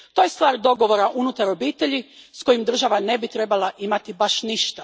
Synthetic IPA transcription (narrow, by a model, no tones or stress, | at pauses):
t̪o̞je̞st̪ʋaːɾd̪o̞ɡo̞ʋo̞ɾaʔunut̪aɾo̞biːt̪e̞ʎisko̞jimd̪r̩ʒaʋane̞bit̪ɾe̞balˠaʔimat̪ibaʃniʃt̪a